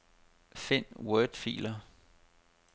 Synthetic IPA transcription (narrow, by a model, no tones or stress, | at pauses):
fe̝nwœːd̥fḭːlɐ